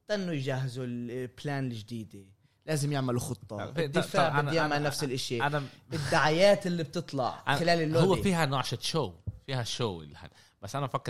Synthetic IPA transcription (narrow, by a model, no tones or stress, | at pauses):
t̪aʔɪnːʊjʒahːɪzulplaːnɪlʒd̪iːd̪e | laːzɪmjɪʕmaluxɨt̪ˤːɑd̪ːɪfaːʕɪdjaːmaʕnːafsɪlʔɪʃiʔanaɪd̪ːaʕajaːt̪ɪlːib̚t̪ɨt̪ˤlɑ̰ʕʔxɪlaːlɪlːoːhʊwːefiːhanaʕʃaʃoːwfiːhaʃoːʔɪ̰lːiha̰ | basːʔanaafakːɪ